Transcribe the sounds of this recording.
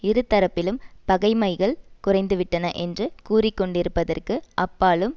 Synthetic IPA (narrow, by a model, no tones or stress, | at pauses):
ɪɾɯt̪ːɐɾɐpːɪlɯmpɐɣɐɪmɐɪɣɐɭkʊrɐɪnd̪ɯʋɪʈːɐnɐʔɛndrɯkuːrɪkːɔɳɖɪɾɯpːɐðɐrkɯʔɐpːaːlɯm